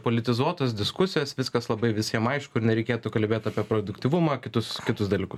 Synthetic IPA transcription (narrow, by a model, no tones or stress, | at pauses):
poːlʲɪt̪ʲɪzuɔt̪oːsd̪ʲɪskʊsʲɪjoːsʋʲɪskɐslˠɐbɐɪʋʲɪsʲiɛmɐɪʃkʊɪɾnʲɛɾʲɛɪkʲeːt̪ʊkɐlʲbʲeːt̪ɐːpʲiɛpɾoːd̪ʊkʲt̪ʲiʋʊmɐːkʲɪt̪ʊskʲɪt̪ʊsd̪ɐlʲiːkʊs